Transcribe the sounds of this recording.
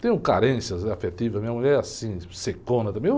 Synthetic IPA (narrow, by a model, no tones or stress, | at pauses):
t̪ẽj̃ʊ̃kaɾẽsjɐzafet̪ivɐzmĩɲɐmuʎɛɾɾɛasĩsekõnɐt̪ɐ̃mbẽj